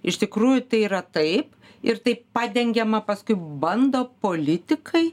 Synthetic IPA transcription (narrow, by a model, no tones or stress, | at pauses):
ɪʃt̪ʲɪkɾuːjʊt̪ɐɪiːɾɐt̪ɐɪp | ɪɾt̪ɐɪppɑːd̪ʲɛŋʲɡʲɛmɐpɐskʊɪbɐnd̪oːpoːlʲɪt̪ʲɪkʰɐɪ